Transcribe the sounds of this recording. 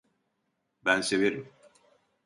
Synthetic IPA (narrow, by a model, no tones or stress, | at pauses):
bænse̞veɾim